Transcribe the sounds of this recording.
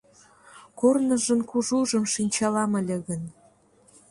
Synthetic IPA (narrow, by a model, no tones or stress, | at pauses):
kornə̆ʒə̆nkuʒuʒə̆mʃinʲt͡ɕɑlɑməlʲĕɣə̆n